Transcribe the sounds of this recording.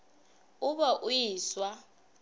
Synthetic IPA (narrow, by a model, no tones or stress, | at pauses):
ʊɓaʔujiːswa